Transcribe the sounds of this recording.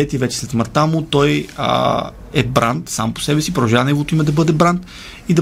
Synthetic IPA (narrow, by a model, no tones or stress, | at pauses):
ɛt̪ivɛt͡ʃɛ̥slɛt̪məɾt̪amʊt̪ɔj̰ | ɛbɾʔant̪sa̰mpo̥sɛbɛsipɾoʒanɛvot̪oimɐd̪ɐbɤd̪ɛbɾant̪ | id̪ɐ